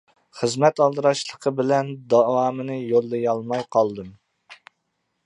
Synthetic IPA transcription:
χəzmɛt̪ɑlˠd̪ɨɾɑʃlˠəqʰəbɪlɛnd̪ɑwɑːmɨnɨjolˠːɨjɑlˠmɑjqʰɑlˠd̪ɨm

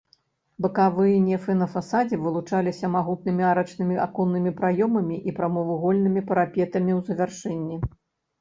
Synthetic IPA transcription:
bɨkavɨjɐnʲɛfɛnɐfasad͡zʲivɨlˠut͡ʂalʲisʲɐmaɣut̪̚nɨmʲiaɾɐt͡ʂnɨmʲia̰kɔnːɨmʲipɾajɔmɐmʲiʔipɾɐmɔvuɣɔlʲnɨmʲipɐɾapʲɛt̪ɐmʲiwzɐvʲarʂɛnʲːi

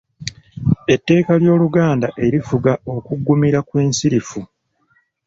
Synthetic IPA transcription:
e̞tːe̞ːkaljo̞ːluɡaːndaʔe̞ɾifuɡao̞kuɡːumiɾakweːnsiɾifu

